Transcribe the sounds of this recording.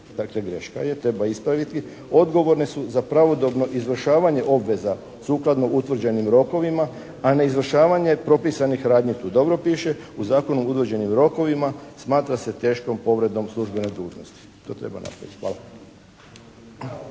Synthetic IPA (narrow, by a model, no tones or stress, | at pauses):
d̪̥akleɡɾe̞ʃka̰je̞t̪ɾe̞baispɾaʋit̪i | o̞d̪ɡo̞ʋo̞ɾnesuzapɾaʋo̞d̪o̞bno̞ʔizʋr̩ʃaːʋaɲe̞ʔo̞bʋe̞za | suːklˠad̪no̞ʔut̪ʋr̩d͡ʑe̞nimɾo̞ko̞ʋimaː | ne̞izʋr̩ʃaːʋaɲe̞pɾo̞pisanixɾaːd̪ɲit̪uːd̪o̞bɾo̞piːʃe̞uzaːko̞nuut̪ʋr̩d͡ʑe̞nimɾo̞ko̞ʋimasmaːt̪ɾase̞t̪e̞ːʃko̞mpo̞ʋɾe̞d̪o̞mslˠuʒbe̞ned̪uːʒno̞st̪i̥ | t̪o̞ːt̪ɾe̞̰ba̰nʔa̰pɾa̰ʋit̪ʲʋa̰ːla